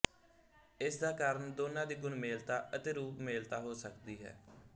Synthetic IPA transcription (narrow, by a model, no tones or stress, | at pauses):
ɪsd̪aːkaːɾəɳd̪oːnãːd̪iːɡʊnmeːlt̪aːʔət̪eːɾuːpmeːlt̪aːɦoːsəkd̪iːɦɛ̰ː